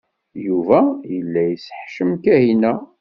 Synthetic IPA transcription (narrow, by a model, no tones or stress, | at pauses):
juvæjəlːæjəsə̥ħʃəmkæhinæ